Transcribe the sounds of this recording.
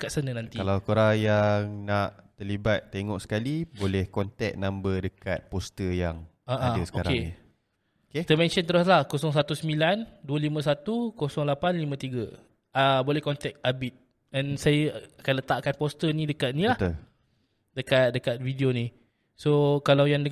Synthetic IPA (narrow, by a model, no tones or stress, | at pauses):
əkasənə̃nãnt̪ialawkoɾajaŋnaʔt̪əlibat̪ːeŋɔʔsə̥kalibolɛhkɔnt̪ɛk̚nambədəkat̪̚pɔst̪əjaŋ | aʔaəsə̥oaɾkaei | oket̪əmɛ̃nʃənt̪əɾʊslahkosɔŋs̬at̪usəmilanduəlimə̃s̬at̪ukosɔŋlapanlimãt̪iɡə | abolɛhkɔnt̪ɛk̚abit̪̚ | ɛnsajəakanlət̪aʔkanpost̪ənĩdəkat̪̚nĩlaht̪ul | dəkat̪̚dəkat̪̚vidionĩ | sokalawjaŋdə